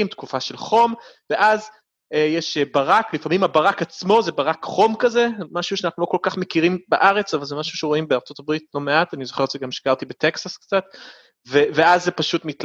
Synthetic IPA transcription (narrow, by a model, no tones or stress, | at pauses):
mt̪kufaʃe̞lχo̞mve̞ʔaz | ejeʃebaʁaklifamimabaʁakat͡smo̞zebaʁakχo̞mkazemaʃuʃeanaχnulo̞ko̞lkaχme̞kiʁimbaʔaʁe̞t͡savalzemaʃuʃeʁoimbeaʁt͡so̞t̪abʁitlo̞me̞at̪anizoχeʁt͡ʃʃeɡamʃkaʁt̪ibet̪e̞ksaskt͡sat̪ | veveazːepaʃutmit̪l